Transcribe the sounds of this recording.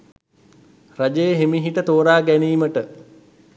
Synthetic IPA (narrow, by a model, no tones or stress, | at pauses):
rad͡ʒəjəɦemiɦiʈət̪oːɾaːɡæniːməʈə